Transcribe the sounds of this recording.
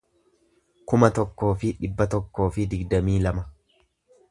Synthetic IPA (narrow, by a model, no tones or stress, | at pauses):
kʊmɐt̪ɔkːo̞ːfɪᶑɪbːɐt̪ɔkːo̞ːfɪd̪ɪɡd̪ɐmiːlɐmɐ